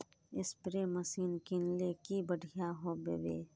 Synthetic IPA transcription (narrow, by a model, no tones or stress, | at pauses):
ɪspɾeməsiːnkɪnlekibəɽʱijaɦobeːbḛː